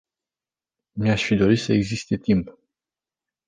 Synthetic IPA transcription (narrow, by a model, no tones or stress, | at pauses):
miaʃfid̪o̞ɾit̪səe̞ɡzist̪e̞t̪imp